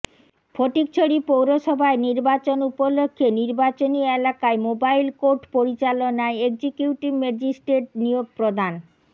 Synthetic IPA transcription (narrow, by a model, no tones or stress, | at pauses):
fʰoʈik̚t͡ɕʰoɽipowɾoʃɔbʱaeniɾbat͡ɕonupolokʰːeniɾbat͡ɕonielakaemobajlkoɾʈpoɾit͡ɕalonaeeɡd͡ʑikjuʈibmed͡ʑisʈɾeʈ̚nijoɡ̚pɾod̪ʱan